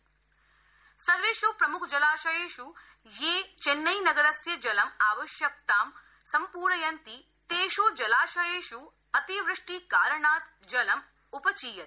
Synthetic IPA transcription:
sɐɾʋeːʃoːpɾɐmʊkʰd͡ʒɐlaːʃɐjeːʃu | jeːt͡ʃenːɐjnɐɡɐɾɐsjɐd͡ʒɐlɐmaːʋɐʃjɐk̚t̪aːm | sɐmpuːɾɳɐjɐnt̪i | t̪eːʃoːd͡ʒɐlaːʃɐjeːʃu | ɐt̪iʋɾɨʂʈikaːɾɐɳaːt̪ | d͡ʒɐlɐm | upɐt͡ʃiːjɐt̪

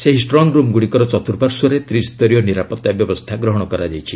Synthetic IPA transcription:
seɦisʈɾɔŋɾumɡuɽikɔɾɔt͡ʃɔt̪uɾbaɾsuɔɾet̪ɾist̪ɔɾijɔniɾapɔt̪ːabjɔbɔst̪ʰaɡɾɔɦɔɽ̃ɔkɔɾad͡ʒajt͡ʃʰi

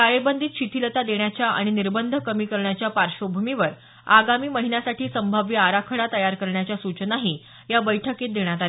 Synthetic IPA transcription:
kajebənd̪ʱiːt̪ɕit̪ʰilət̪ad̪eɳjat͡ɕjaʔa̰ɽ̃iniɾbənd̪ʱəkəmiːkəɾɳjat͡ɕjapaɾɕobʱumiʋəɾ | aɡamiːməɦinjasaʈʰiːsəmbʱaʋjiaɾakʰəɽat̪əjaɾkəɾɳjat͡ɕjasut͡ɕnaɦiː | jabəjʈʰəket̪̚d̪eɳ̃jat̪ale

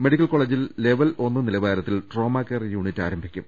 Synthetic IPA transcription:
me̞ɽikʲːɐlko̞ːɭeːd͡ʑille̞ʋɐlo̞nːɨnilɐʋaːɾɐt̪ːilʈro̞ːmaːkːɐrjuːɳitːa̰ːɾɐmbʱikʲːum

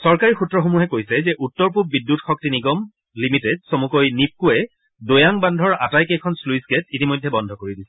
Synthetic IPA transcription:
sɔɹkaɹixutɹɔxomuɦɛkojsɛzɛʔutːɔɹp̬ub̚bidːutxɔk̚tiniɡɔm | limitɛdsomukojnip̚kuɛ | dojaŋbandʱɔɹa̰tajkejkʰɔnsluisɡɛtitimojdʱːɛbɔndʱɔkoɹidisɛ̥

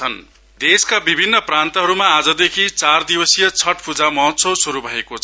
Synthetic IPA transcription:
ʌn | d̪eskabibʱinːʌprant̪ʌɦʌɾumaːd͡zʌd̪ekʰit͡sard̪ibʌsijʌt͡sʰʌʈpud͡zamʌɦʌt̪ːsʌsuɾubʱʌekot͡sʰ

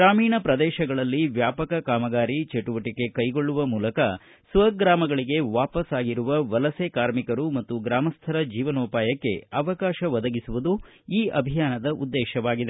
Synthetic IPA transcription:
ɡɾaːmiːɳɐpɾɐd̪ɛːʃɐɡɐɭɐlːiʋjaːpɐkɐkaːmɐɡaːɾit͡ʃeʈuʋɐʈike̞kɐjɡo̞ɭːuʋɐmuːlɐkɐ | sʋɐɡɾaːmɐɡɐɭiɡe̞ʋaːpɐsaːɡiɾuʋɐʋɐlɐsekaːɾmikɐɾumɐt̪ːuɡɾaːmɐst̪ʰɐɾɐd͡ʒiːʋɐnuːpaːjɐkːe̞̰ɐʋɐkaːʃɐʋɐd̪ɐɡisuʋud̪u | iːʔɐbʱijaːnɐd̪ɐʔud̪ːɛːʃɐʋaːɡid̪e

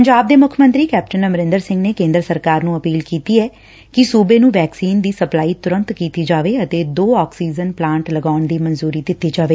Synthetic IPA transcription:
əɲd͡ʒaːb̚d̪eːmʊkʰjəmə̃nt̪ɾiːkɛːp̚ʈənəmɾɪ̃nd̪əɾsɪ̃ŋɡneːkẽːnd̪ɾəsəɾkaːɾnũːəpiːlkiːt̪iːɛː | kɪsuːbeːnũːʋɛːksiːnd̪iːsəplaːiːt̪ʊɾə̃nt̪kiːt̪iːd͡ʒaːʋeːət̪eːd̪oːɔːksiːd͡ʒənplãːɳʈləɡaːʊɳd̪iːmənzuːɾiːd̪ɪt̪ːiːd͡ʒaːʋeː

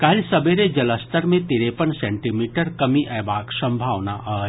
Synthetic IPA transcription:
kaːɦilsɐbeɾed͡ʒɐləst̪əɾmẽt̪iːɾepənsɛ̃ɳʈimiːʈəɾkɐmiʔɛːbaːksɐ̃mbʱaːʋnaʔaː

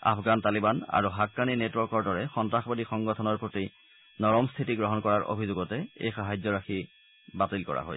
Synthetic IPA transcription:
a̰pʰɡantalibana̰ɹuɦakːaninetwɔɹkɔɹdɔɹɛxɔntɹaxɔbadixɔŋɡɔtʰɔnɔɹpɹoti | nɔɹɔmstʰitiɡɹɔɦɔnkɔɹaɹʔo̰bʱizoɡɔtɛḛjxaɦajzɔɹaxi | batilkɔ̰ɹʔa̰ɦo̰j

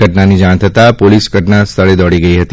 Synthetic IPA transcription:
əʈnanid͡ʒaɽ̃t̪ʰət̪apolisɡʱəʈnast̪ʰəɭed̪ɔɽiɡəiɦət̪

